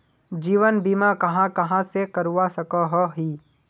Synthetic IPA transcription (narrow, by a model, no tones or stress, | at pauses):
d͡ʒiːʋənbiːmakɐɦãkɐɦãsekɐɾuwasɐkaɦɔɦiː